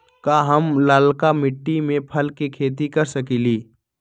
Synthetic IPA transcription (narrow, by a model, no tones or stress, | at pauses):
kaɦəmlaːlkamɪʈːimẽpʰəlkekʰeːt̪ikɐɾsəkiliː